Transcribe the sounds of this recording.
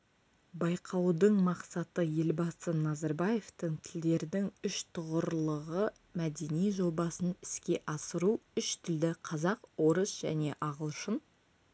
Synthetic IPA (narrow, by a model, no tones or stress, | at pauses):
bɑjqʰɑwd̪əɴmɑqsɑt̪əje̞lbɑsənɑzɑɾbaje̞ft̪əɴt̪ʰɪld̪e̞ɾd̪ɪŋʏʃt̪ʰʊʁəɾlˠəʁə | mæd̪e̞nijʒo̞bɑsənɪ̥skʲe̞ʔɑsəɾuʏʃt̪ʰɪld̪ɪqʰɑzɑqwo̞ɾəsʒ̥æ̰ne̞ʔɑʁəlˠʃən